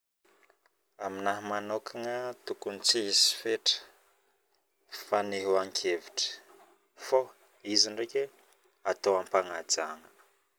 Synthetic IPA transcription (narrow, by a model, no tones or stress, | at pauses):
aminaɦmanokʰaŋət̪ukunit͡siɦisi̥feʈ͡ʂə̥ | faniɦuaŋkʰeviʈ͡ʂə̥ | fo | iziɳɖ͡ʐeke | at̪owampaŋad͡zaŋə̥